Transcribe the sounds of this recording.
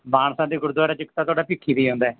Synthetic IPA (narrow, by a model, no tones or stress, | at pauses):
maːɳsãːd̪iːɡʊɾd̪ʊaːɾaːt͡ʃɪkt̪aːt̪ʊaːɖaːpɪkʰːiːd̪iːɦõːnd̪aɛː